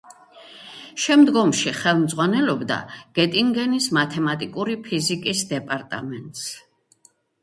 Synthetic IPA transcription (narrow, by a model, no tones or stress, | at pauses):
ʃɛmd̪ɡɔmʃiχɛlˠmd̪zʁwanɛlɔbd̪a̰ɡ̥ɛt̪ʼiŋɡɛnismat̪ʰɛmat̪ʼikʼuɾipʰizikʼisd̪ɛpʼaɾt̪ʼa̰mɛnt̪ʼs